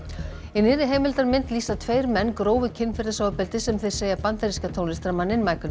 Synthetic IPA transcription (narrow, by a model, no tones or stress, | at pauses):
ɪnɪːɾɪɦeːjmɪlt̪aɾmɪnt̪liːsat̪ʰveːjɾmɛnːkɾoːwvʏcʰɪnfɪɾðɪsaːwapɛlt̪ɪsɛmθe̥seːjapant̪aɾiskat̪ʰoːwnɪst̪ɾamanːɪnmaːjkʏn